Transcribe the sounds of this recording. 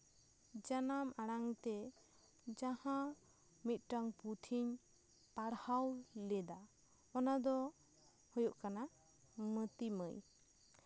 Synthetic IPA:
d͡ʒanamaɽaŋt̪ɛ | d͡ʒahã | mit̪̚ˀʈaŋput̪ʰiɲ | paɽhawlɛd̪a | ɔnad̪ɔ | hɔjɔʔkana | mət̪iməj

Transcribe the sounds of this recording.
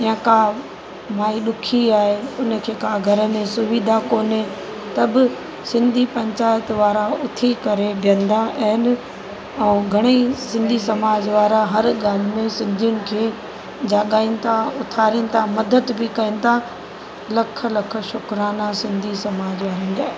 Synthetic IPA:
jãkã | maːiɗʊkʰiaːɦeʊnə̆kʰeːkaːɡʱɐɾəmẽsʊʋiːd̪ʱakoːne | t̪ɐbɪ | sɪ̃nd̪ʱipɐ̃ɲt͡ɕaːɪət̪ʋaːɾaʊt̪ʰikɐɾebʱjə̃nd̪aʔɐɦɪnɪ̆ | ɛ̃ːɡʱɐɽ̃isɪ̃nd̪ʱisɐmaːd͡ʑʋaːɾaɦɐɾɠaːl̤ɪmẽsɪ̃nd̪ʱijʊnɪ̆kʰeː | d͡ʑaːɠaːĩnɪ̆t̪ʰaʊt̪ʰaːɾinɪ̆t̪ʰamɐd̪əd̪bɪkɐĩnɪ̆t̪ʰa | lɐkʰə̆lɐkʰə̆ʃʊkɾaːnasɪ̃nd̪ʱisɐmaːd͡ʑʋaːɾĩːnd̪aːɦe

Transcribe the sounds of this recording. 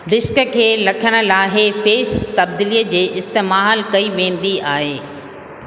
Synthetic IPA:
ɾɪskkʰeːlɐkʰəɽ̃ə̆laːɦefeːst̪ɐb̚d̪iːliːəd͡ʑeːʔɪst̪emalkɐiʋẽːn̆d̪iaːɦeː

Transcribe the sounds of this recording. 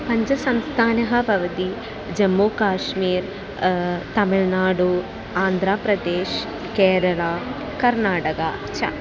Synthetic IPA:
pɐɲd͡ʒɐsɐmst̪ʰaːnɐɦɐbʱɐʋɐt̪i | d͡ʒɐmːoːkaːʂmiːɾ | t̪ɐmiɭnaːɽu | aːnd̪ʱɾaːpɾɐd̪eːʃ | keːɾɐɭaː | kɐɾnaːʈɐkɐt͡ʃʰɐ̰

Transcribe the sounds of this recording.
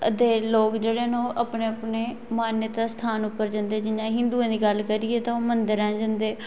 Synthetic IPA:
əd̪eːloːkd͡ʒeːɽeːnõːʔəpneːəpneː | maːnjət̪aːst̪ʰaːnʊpːəɾd͡ʒə̃nd̪eːd͡ʒɪnjãːɦɪ̃nd̪uːãːd̪iːɡəlkəɾiːɛːt̪ãːoːmənd̪əɾɛ̃ːd͡ʒə̃nd̪eː

